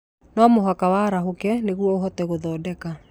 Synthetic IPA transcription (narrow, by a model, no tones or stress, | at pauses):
nɔmoɦakawaɾaɦokɛneɣwɔoɦɔtɛɣoðɔːdɛka